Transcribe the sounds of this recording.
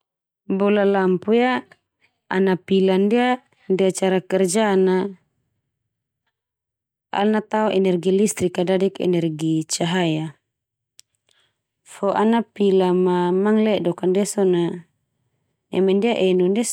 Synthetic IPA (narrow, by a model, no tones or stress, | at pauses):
bɔlalampuja | a̰napilandia | diat͡ʃaɾakɛrd͡ʒana | a̰lnat̪aɔʔɛnɛrɡilist̪ɾikadadɛkɛ̰nɛrɡit͡ʃaɦaja | fɔʔanapilamamaŋlɛʔdɔkandiasɔna | nɛ̰mɛndiaʔɛnundɛ